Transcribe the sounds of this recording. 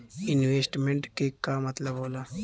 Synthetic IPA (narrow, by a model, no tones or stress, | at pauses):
inʋesʈmeɳʈkekːamət̪ləbɦola